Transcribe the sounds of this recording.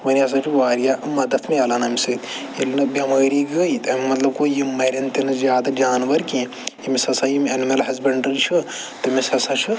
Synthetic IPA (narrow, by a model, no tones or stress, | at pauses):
ʋɐnijɐs̬ɐt͡ʃʰuʋaːɾijaʔmɐd̪ɐt̪ʰmejɐlɐnɐmisɨt̪ʰ | ilnɨbʲɐmaːɾiːɡəit̪ɐmimɐt̪lɐb̚koːjimɐɾʲɐnt̪inɨzʲjaːd̪ad͡ʒaːnʋɐɾkĩ | jimisɐsajimʲɐnmɐlɦɐzbɐɳʈɐlt͡ʃʰɨ | t̪ɐmisɐsɐt͡ʃʰɨ